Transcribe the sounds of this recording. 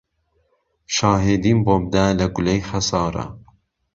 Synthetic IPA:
ʃɑːɦed̪iːmbom̚d̪ælɐɡulejxɐsɑːɾɐ̰

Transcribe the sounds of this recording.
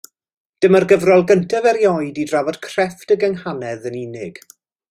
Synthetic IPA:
d̥əmərɡəvrɔlˠɡəntʰavɛɾjɔɨdidravɔd̥kʰr̥ɛftəɡəŋhanɛðənɪnɪɡ̥

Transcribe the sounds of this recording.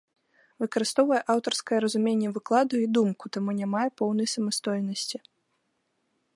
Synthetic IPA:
vɨkɐɾɨst̪ɔwvɐjɛʔawt̪ɐrskɐjɐɾɐzumʲenʲːɛvɨklˠad̪uid̪umkut̪amunʲamajɛpɔwn̪ɐjsɐmɐst̪ɔjnɐsʲt͡sʲi

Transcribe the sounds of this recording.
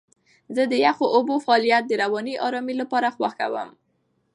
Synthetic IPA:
zəd̪əjaxoʔobofaːlijat̪̚d̪əɾawɑniʔɑɾɑmilapɑɾaxwaxka̰wə̰m

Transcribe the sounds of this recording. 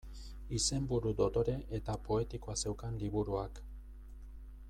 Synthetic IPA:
ise̞mbuɾud̪o̞t̪o̞ɾe̞ʔet̪apo̞e̞t̪ikoase̞wkanliβuɾuak

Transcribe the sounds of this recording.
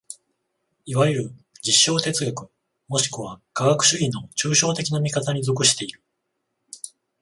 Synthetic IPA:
iβajeɾɯ̟d͡ʑiɕːo̞ːt̪e̞t͡sɨɡʲakɯ̟ | mo̞ɕi̥kɯ̟βaɡ̥aɡakɯ̟̥ɕɨinːo̞t͡ɕɨːɕo̞ːt̪e̞kʲinamʲikat̪aɲ̟izo̞k̬ɯ̟ɕi̥t̪e̞iɾɯ̟

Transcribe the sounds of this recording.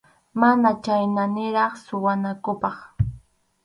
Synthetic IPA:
manat͡ʃajnanɪɾɑχsʊwanakʊpɑχ

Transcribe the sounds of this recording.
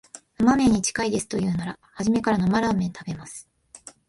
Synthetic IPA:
nomamẽ̞ɲ̟ːit͡ɕi̥kaid̪e̞sɨ̥t̪o̞jɯ̟ːnaɾa | haʑime̞kaɾanomaɾamẽ̞nt̪abe̞masɨ̥

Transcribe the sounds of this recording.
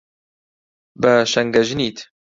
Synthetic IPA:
bɐʃɐŋɡɐʒniːt̪ʰ

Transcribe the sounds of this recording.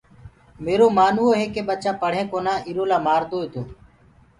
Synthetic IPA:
meːɾoːmaːnːoːɦeːkeːɓət͡ʃaːpəɽ̤ẽːkoːnãːʔiːɾoːlaːmaːɾd̪oːɦeːt̪oː

